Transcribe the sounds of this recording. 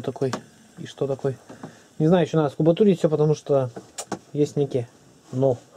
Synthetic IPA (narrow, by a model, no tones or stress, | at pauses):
t̪ɐkoj | iʂt̪ot̪ɐkoj | nʲɪznajʊjɪɕʲonad̪əskʊbɐt̪uɾʲɪːfsʲopət̪ɐmuʂt̪o | jesʲtʲnʲekʲɪjə | no